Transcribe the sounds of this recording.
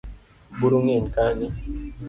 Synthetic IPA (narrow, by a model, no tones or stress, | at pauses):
buɾuŋenkani